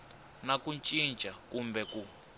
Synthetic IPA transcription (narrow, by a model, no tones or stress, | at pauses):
nakut͡ʃʼint͡ʃʼakumbɛku